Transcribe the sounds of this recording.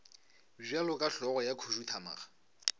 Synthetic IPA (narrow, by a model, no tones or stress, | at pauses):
b͡ʐɥalʊkʼaɬɔɣɔjakʰoʒutʰama̰ːɣa